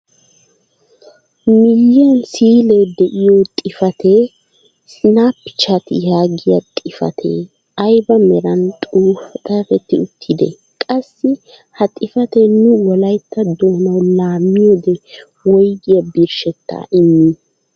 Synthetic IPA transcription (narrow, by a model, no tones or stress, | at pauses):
mɪjːɪjɐnsiːled̪ɛʔɪjot̪ʼɪfɐt̪ʰe | sɪnaːpːɪ̥t͡ʃat̪ɪ̰jaːɡɪjɐt̪ʼɪfɐ̰t̪ʰḛː | ɐjbɐmɛɾɐnt̪ʼuːfɐt̪ʼɐɾɛt̪ːɪʊt̪ʰːɪd̪ɛ̰ | kʼɐsːɪ | hɐt̪ʼɪfɐt̪ɛnʊwɔlɐjt̪ːɐd̪oːnɐwlaːmːɪjod̪ɛ | wɔjɡɪjɐbɪɾʃɛt̪ːa̰ːʔɪmːɪ